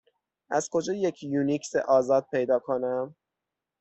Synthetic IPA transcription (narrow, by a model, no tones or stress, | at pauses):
ʔæz̥kʰo̞d͡ʒɒːjecʰjuːniksḛʔɒːzɒːd̪̚pʰe̞jd̪ɒːkʰonæm